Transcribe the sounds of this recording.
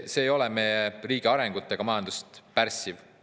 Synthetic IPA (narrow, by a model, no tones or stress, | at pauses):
se̞ːjo̞lɛme̞jeriːɡ̥iɑɾe̞ŋɡ̥ut̪ːˑe̞ɡ̥ɑmɑjɑnd̪̥ust̪pærsiv